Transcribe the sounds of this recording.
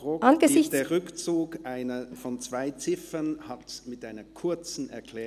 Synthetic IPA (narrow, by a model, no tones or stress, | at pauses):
ʁoːʔanɡəɪçd̥eːɐʁʏkt͡suːkʔaɪnəfɔnt͡sv̥aɪt͡sɪfənhatmɪtʔaɪnɐkʰʊɐt͡sn̩ɛɐkʰl̥ɛː